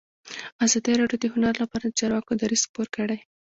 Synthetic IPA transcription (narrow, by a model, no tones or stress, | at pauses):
azɑd̪əɾɑɖjod̪əɦʊnaɾlapɑɾad̪ət͡ʃɑɾwɑkod̪aɾiz̥xpoɾkəɽaj